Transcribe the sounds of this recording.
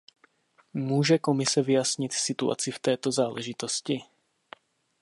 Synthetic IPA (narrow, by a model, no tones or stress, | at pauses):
muːʒɛkomɪsɛvɪjasɲɪt̪sɪt̪ua̰t͡sɪft̪ɛːt̪o̞zaːlɛʒɪt̪o̞scɪ